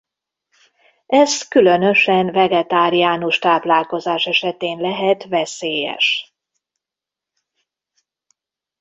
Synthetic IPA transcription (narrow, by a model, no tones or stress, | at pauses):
ɛzkylø̞nøʃɛnvɛɡɛt̪aːɾijaːnuʃt̪aːplaːlko̞zaːʃɛʃɛt̪eːnlɛɦɛt̪vɛseːjɛ̰ʃ